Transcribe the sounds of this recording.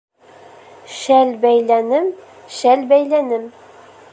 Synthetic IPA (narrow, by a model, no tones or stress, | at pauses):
ʃælbæjlænɘm | ʃælbæjlænɘm